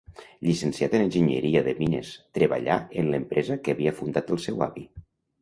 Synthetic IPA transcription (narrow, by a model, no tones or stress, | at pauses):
ʎisənsiat̪ənənʲʒəɲə̰ɾiəðəminə̰st̪ɾəβə̰ʎa̰ənləmpɾʔɛzəkəːβiəfund̪at̪əlˠsɛwa̰βi